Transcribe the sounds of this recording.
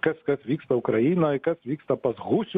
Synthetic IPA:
kɐsʲkɐsʲʋʲikst̪ɐukɾɐjinɐkɛsʲʋʲikst̪ɐpɐzɣusʲ

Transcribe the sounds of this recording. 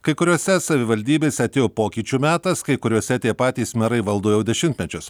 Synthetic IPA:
kɐɪkʊɾʲuːsʲɛsɐʋʲɪʋɐlʲd̪ʲiːbʲeːsʲɛɐt̪ʲeːjoːpoːkʲiːt͡ʃʲuːmʲæːt̪ɐskɐɪkʊɾʲoːsʲɛt̪ʲiɛpɑːt̪ʲiːsmʲɛɾɐɪʋɐlˠd̪oːjɛʊd̪ʲɛʃʲɪnʲt̪ʲmʲɛt͡ʃʲʊs

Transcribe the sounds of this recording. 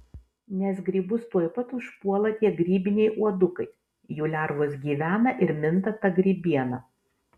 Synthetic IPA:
nʲɛsɡɾʲiːbʊst̪uɔjpɐt̪ʊʃpuɔlˠɐt̪ʲiɛɡɾʲiːbʲɪnʲɛjʔuɔd̪ʊkɐɪ | juːlʲæˑɾʋosɡʲiːʋʲæːnɐʔɪɾmʲɪnt̪ɐt̪ɐɡɾʲiːbʲiɛnɐ

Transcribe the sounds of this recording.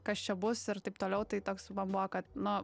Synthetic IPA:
kɐst͡ʃʲɛbʊsɪɾt̪ɐɪp̚t̪oːlʲɛʊt̪ɐɪt̪oːksmɐnbʊʋokɐt̪nʊ

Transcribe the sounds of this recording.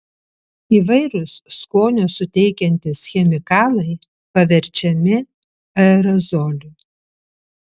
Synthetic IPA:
iːʋɐɪɾʊsskoːnʲʊsʊt̪ʲɛɪkʲɛnʲt̪ʲɪsxʲɛmʲɪkɑːlˠɐɪ | pɐʋʲɛɾʲt͡ʃʲɛmʲɪ | ɐɾɐzɔːlʲʊ

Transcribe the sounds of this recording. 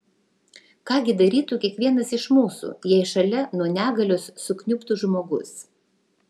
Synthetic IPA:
kɑːɡʲɪd̪ɐɾʲiːt̪uːkʲiɛkʋʲiɛnɐsɪʃmuːsṵːjiɛʃɐlʲɛnuɔnʲæːɡɐlʲʊsːʊknʲʊpt̪uʒmoːɡʊs

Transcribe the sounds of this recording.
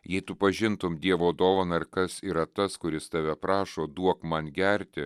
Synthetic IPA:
jɛɪt̪ʊpɐʒʲɪnt̪ʊmd̪ʲiɛʋoːd̪oːʋɐnɐɾkɐsiːɾɐt̪ɐskʊɾʲɪst̪ɑʋʲɛpɾɑːʃoːd̪uɔkmɐnɡʲɛɾʲt̪ʲɪ

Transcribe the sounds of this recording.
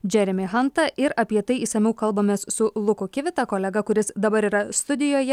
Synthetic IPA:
d͡ʒʲɛɾʲɪmʲɪɦɐnt̪ɐʔɪɾɐpʲiɛt̪ɐɪiːsɐmʲɛʊkɐlˠbɐmʲeːssʊlˠʊkʊkʲɪʋʲɪt̪ɐkoːlʲɛɡɐkʊɾʲɪsd̪ɐbɐɾiːɾɐst̪ʊd̪ʲɪjoːjɛ

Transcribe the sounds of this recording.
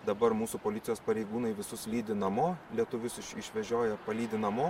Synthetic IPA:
d̪ɐbɐɾmuːsupoːlʲɪt̪sʲɪjoːspɐɾʲɛɪɡuːnɐɪʋʲɪsʊslʲiːd̪ʲɪnɐmoːlʲiɛt̪ʊʋʲʊsɪʃɪʃʲʋʲɛʒʲoːjɛpɐlʲiːd̪ʲɪnɐmoː

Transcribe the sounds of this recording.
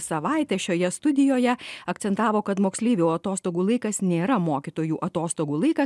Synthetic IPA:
sɐʋɐˑɪt̪ʲɛːʃʲoːjɛst̪ʊd̪ʲɪjoːjɛɐkt̪sʲɛnt̪ɑːʋoːkɐt̪moːksʲlʲiːʋʲoːɐt̪oːst̪oːɡuːlˠɐɪkɐsnʲeːɾɐmoːkʲɪt̪oːjuːʔɐt̪oːst̪oːɡuːlˠɐɪkɐ

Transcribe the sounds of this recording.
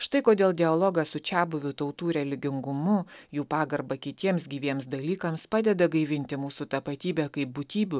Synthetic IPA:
ʃt̪ɐɪkoːd̪ʲeːlˠd̪ʲɪɐlˠɔːɡɐsʊt͡ʃʲæːbʊʋʲʊt̪ɐʊt̪uːɾʲɛlʲɪɡʲɪŋɡʊmʊjuːpɑːɡɐɾbɐkʲɪt̪ʲiɛmsɡʲiːʋʲiɛmsd̪ɐlʲiːkɐmspɑːd̪ʲɛd̪ɐɡɐɪʋʲɪnʲt̪ʲɪmuːsut̪ɐpɐt̪ʲiːbʲɛkɐɪp̚bʊt̪ʲiːbʲʊ

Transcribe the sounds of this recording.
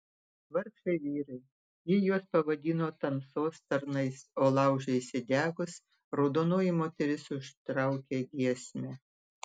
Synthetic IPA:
ʋɐɾʃɐɪʋʲiːɾɐɪ | jɪjuɔspɐʋɐd̪ʲiːnoːt̪ɐmsoːst̪ɐɾnɐɪsoːlˠɑˑʊʒʲɛɪsʲɪd̪ʲæːɡʊs | ɾɐʊd̪oːnoːjɪmoːt̪ʲɛɾʲɪsʊʃt̪ɾɑˑʊkʲeːɡʲiɛsʲmʲɛ

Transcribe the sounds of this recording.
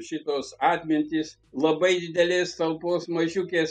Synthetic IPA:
ʃʲɪt̪oːsɑːt̪ʲmʲɪnʲt̪ʲɪs | lˠɐbɐɪd̪ʲɪd̪ʲɛlʲeːst̪ɐlˠpoːsmɐʒʲʊkʲeːs

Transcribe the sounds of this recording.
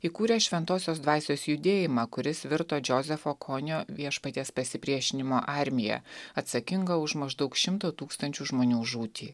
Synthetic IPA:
iːkuːɾʲɛːʃʲʋʲɛnt̪oːsʲoːs̬d̪ʋɑːsʲoːsjʊd̪ʲeːjɪmɑkʊɾʲɪsʋʲɪɾt̪oːd͡ʒʲozʲɛfoːkʰonʲoːʋʲiɛʃpɐt̪ʲeːspɐsʲɪpʲɾʲiɛʃʲɪnʲɪmoːʔɑɾʲmʲɪjɛ̰ɐt̪sɐkʲɪŋɡɐʊʃmɐʒd̪ɐʊkʃʲɪmt̪oːt̪uːkst̪ɐnʲt͡ʃʲuʒmoːnʲuːʒuːt̪ʲiː

